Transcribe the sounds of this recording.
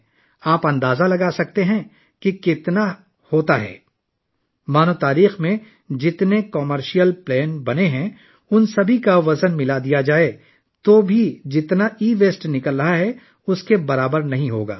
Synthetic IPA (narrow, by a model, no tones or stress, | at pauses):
aːpɐ̃nd̪aːzalɐɡaːsɐk̚t̪eɦɛ̃ | kikɪt̪na | hoːt̪aɦɛ̰ː | maːnot̪aːɾiːxmẽ | d͡ʒɪt̪nekɔməɾʃijəlplɛːnbɐneɦɛ̃ | ʊnsɐbʱikaʋɐzənmɪlad̪ijad͡ʒaːe | t̪oːbʱid͡ʒɪt̪naiːʋeːsʈnɪkəlɾɐɦaɦɛ | ʊskebɐɾaːbəɾnɐɦĩɦoːɡa̰ː